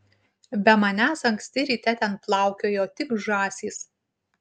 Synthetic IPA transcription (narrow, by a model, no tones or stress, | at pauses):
bʲɛmɐnʲæːsɐŋksʲt̪ʲɪɾʲiːt̪ʲɛt̪ʲɛnplˠɑˑʊkʲoːjoːt̪ʲɪkʒɑːsʲiːs